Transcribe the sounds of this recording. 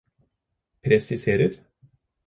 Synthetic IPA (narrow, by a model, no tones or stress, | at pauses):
pʰɾɛsɪseːɾəɾ